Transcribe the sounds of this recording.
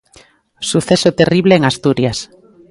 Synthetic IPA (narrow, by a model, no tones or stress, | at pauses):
suθesot̪eriβleeŋast̪uɾjas